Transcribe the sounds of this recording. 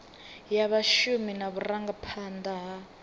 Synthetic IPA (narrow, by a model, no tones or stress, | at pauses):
jaβaʃuminaβuraŋɡapʰand̪aɦa